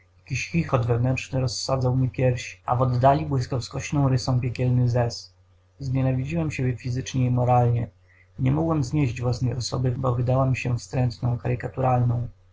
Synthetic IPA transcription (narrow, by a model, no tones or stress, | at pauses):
jakʲiɕxʲixɔd̪vɛvnɛnt͡ʂnɘɾɔsːad̪zawmʲipʲjɛɾfɕi̥a̰vɔd̪ːalʲibwɘskawskɔɕnɔ̃w̃ɾɘsɔ̃w̃pʲjekʲɛlnɘzɛs | zɲɛnavʲid͡ʑiwɛmɕebʲjɛfʲizɘt͡ʂɲɛimɔɾalɲɛ | ɲɛmɔɡwɛmzɲeʑd͡ʑvwasnɛjɔsɔ̰bɘbɔvɘd̪awamɕɛfst̪ɾɛnt̪nɔ̃w̃kaɾɘkat̪uɾalnɔ̃w̃